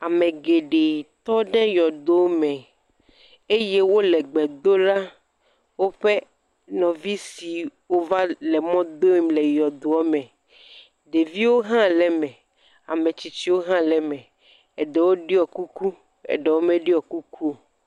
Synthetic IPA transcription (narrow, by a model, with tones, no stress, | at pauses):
a˨mẽ˨ɡe˨ɖe˨t̪ɔ˦ɖɛ˦jɔ˨d̪o˦mɛ̃˨ | e˦je˦wo˦lɛ˨ɡ͡bɛ˨d̪o˦ɖa˦ | wo˦ɸe˦ | nɔ̃˨vi˦si˨wo˦va˦lɛ˨mɔ̃˦d̪o˦i˦mlɛ˨jɔ˨d̪o˨ɔ˦mɛ̃˨ | ɖe˨vi˦wo˦ɦã˦lɛ˨mɛ̃˨ | a̰˨mẽ˨t͡ɕi˨˦t͡ɕi˦wo˦ɦã˦lɛ˨mɛ̃˨ | ɛ˨ɖɛ˨wo˦ɖi˦ɔ˨ku˦ku˦ | ɛ̰˨ɖe˨wo˦mẽ˦ɖi˦ɔ˨ku˦ku˦˨